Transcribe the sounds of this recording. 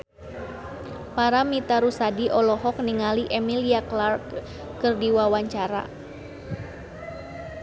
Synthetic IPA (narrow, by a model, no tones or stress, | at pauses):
paɾamit̪aɾusadiʔɔlɔɦɔk̚niŋaliʔɛmiliaklarkː | ɨrdiwawaɲt͡ʃaɾa̰